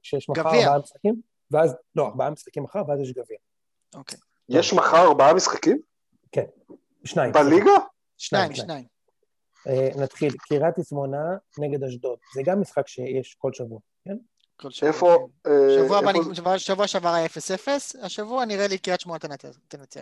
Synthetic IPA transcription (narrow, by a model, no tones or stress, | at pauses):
ʃejeʃmaɡavibaamisχakim | veazloaʁbaamisχḁkimːaχaʁveazjeʃɡavia | okej | jeʃmaχaʁaʁbaamisχakim | ken | ʃnaimbaliɡa | ʃnaiianaim | enat̪χilkiʁat̪ismonaneɡed̪haʃ̬d̪o̞tzeɡamːisχakʃejeʃko̞lʃavuaken | kolʃefoeavuaanvʃavuaʃavaʁaefesefesaʃavuaniʁelikiʁatʃmuat̪t̪enat͡se